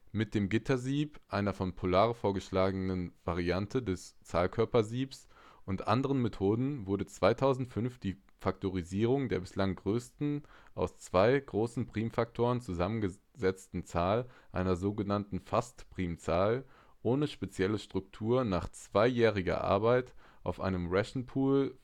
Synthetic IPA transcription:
mɪt̚d̥eːmɡɪtʰɐziːpʔaɪnɐfɔnpʰolaːʁəfoːɐɡəʃlaːɡənənvaʁiantʰədɛst͡saːlkʰœɐpɐziːpsʔʊntʔa̰ndəʁənmetʰoːdn̩vʊɐdət͡sv̥aɪtʰaʊzn̩tfʏnfd̥iː | faktoʁ̞iziːʁ̞ʊŋdeːɐbɪslaŋɡʁøːstn̩ʔa̰ʊst͡sv̥aɪɡʁoːsn̩pʁ̥iːmfak̚tʰoːʁənt͡suzamənɡə | zɛt͡stn̩t͡saːlʔa̰ɪnɐzoːɡənantn̩fastpʁ̥iːmt͡saːl | ʔoːnəʃpet͡sjɛləʃtʁ̥ʊktʰuːɐnaːχt͡sv̥aɪjɛːʁ̞ɪɡɐ̰ʔa̰ɐbaɪtʔa̰ʊfʔa̰ɪnəmʁɛʃn̩pʰuːl

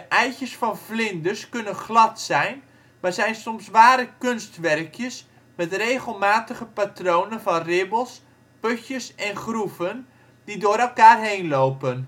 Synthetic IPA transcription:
dəʔɛjçəsfɑnflɪndəskɵnənχlɑtsɛjn | mazɛjnsɔmsʋaːɾəkønstʋɛrkʰjəs | mɛtrejχəlˠmaːtəχəpatrownənvɑnrɪbəlˠs | pøçəsɛnχruvən | didoːɾɛlˠkaːrɦejnlowpən

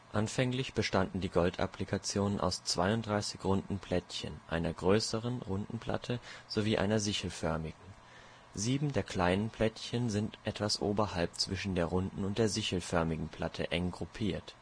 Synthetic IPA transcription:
ʔanfɛŋlɪçb̥əʃtandn̩diːɡɔltʔa̰plikʰat͡sjoːnənʔa̰ʊst͡sv̥aɪʊntd̥ʁaɪsɪçʁʊndn̩pʰl̥ɛtçə̰nʔa̰ɪnɐɡʁøːsəʁənʁʊndn̩pʰl̥a̰tʰəz̥oviːʔa̰ɪnɐzɪçl̩fœɐmɪɡŋ̩ | ziːbm̩deːɐkʰl̥aɪnənpʰl̥ɛtçənzɪntʔɛtv̥asʔo̰ːbɐhalp̚t͡sv̥ɪʃn̩deːɐʁʊndn̩ʊnt̚d̥eːɐzɪçl̩fœɐmɪɡŋ̩pʰl̥atʰəʔɛŋɡʁupʰiːɐt

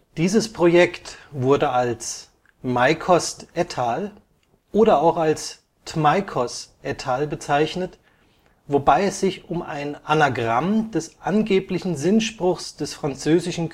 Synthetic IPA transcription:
d̥iːzəspʁ̥ojɛktv̥ʊɐdəals | maɪkʰɔstʔɛtʰaːl | ʔoːɾɐaʊxals | tmaɪkʰɔstʔɛtʰaːlbət͡saɪçnət | vobaɪɛsz̥ɪçʊma̰ɪnʔanaɡʁamd̥ɛsʔanɡeːplɪçn̩zɪnʃpʁ̥ʊxsd̥ɛsfʁ̥ant͡søːzɪʃn̩

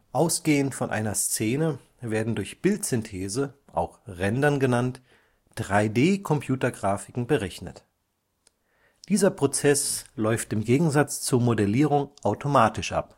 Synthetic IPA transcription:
ʔaʊsɡ̥eːənfɔnʔa̰ɪnɐst͡seːnə | veːɐdn̩dʊɐçb̥ɪltz̥ʏntʰɛːzəʔa̰ʊxʁɛndɐnɡənant | d̥ʁaɪdeːkʰɔmpʰj̥uːtɐɡʁaːfɪkŋ̩bəʁɛçnə̰t | d̥iːzɐpʁ̥ot͡sɛslɔʏftɪmɡeːɡŋ̩zat͡st͡suːɐmodɛliːʁ̞ʊŋʔaʊtʰomaːtɪʃʔa̰p

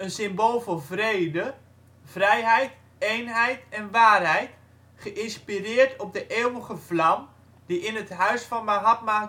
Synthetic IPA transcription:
ənsɪmbolˠvɔnvreːdə | v̥rɛjɦɛjt | ejnɦɛjtɛnʋaːrɦɛjt | χəʔɪnspirɪːrtʰɔp̚dəʔeːwəɣəvlam | d̥iʔɪnətɦœɥsfɔnmaɦap̚ma

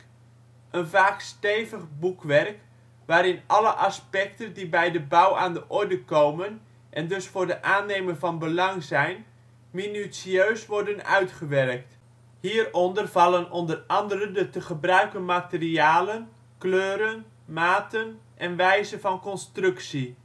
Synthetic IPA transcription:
ʔənvaːkstejvəχbukʋɛrk | ʋaːɾɪnʔɑləʔɑspɛktəndibɛjdəbʌwʔaːndəʔɔɹdəkowmən | ʔɛndɵsfʊːɹdəʔaːnejmənvɑnbəlɑŋzɛjn | minysiøːɥsʋɔɹdənœ̰ɥtχəʋɛrk̚t | hiːərɔndərv̥ɑlˠənɔndərɑndərəndətəχəbrœɥkənmatəriaːlən | kløːɾən | maːtənʔɛnʋɛjzənvɑnkɔnstrɵksi

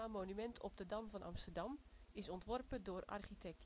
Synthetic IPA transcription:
amoːnymɛntʰɔp̚dədɑmvɔnʔɑ̰mstərdɑmɪsɔntʋɔrpədʊəra̰rχitʰɛk̚t

